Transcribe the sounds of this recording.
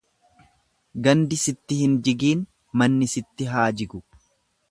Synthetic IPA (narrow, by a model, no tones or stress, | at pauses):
ɡɐnd̪ɪsɪt̪ːɪhɪnd͡ʒɪɡiːn | mɐnːɪsɪt̪ːɪɦaːd͡ʒɪɡʊ